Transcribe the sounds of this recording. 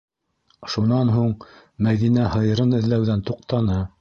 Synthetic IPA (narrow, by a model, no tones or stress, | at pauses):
ʃunɑnɦuɴ | mæðinæhɤ̆jɤ̆ɾɤnɘ̆ðlæwðænt̪uq̚t̪ɑnɤ